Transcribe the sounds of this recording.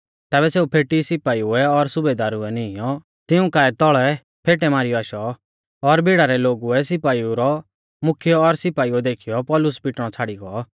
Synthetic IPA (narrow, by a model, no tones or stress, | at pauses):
t̪ɛːbɛseːupʰeːʈisɪpaːiuɛɔɾsʊbeːd̪aːɾuɛnɪɪjɔ | t̪ɪũkaːɛt̪ɔɭɛ | pʰeːʈɛmaːɾiɔaːʃɔ | ɔɾbʱɪɽaɾɛloːɡuɛsɪpaːiuɾɔ | mʊkʰɪjɔːɾsɪpaːiuɛd̪eːkʰijɔpɔːlʊspɪʈɽ̃ɔt͡sʰaːɽiɡɔ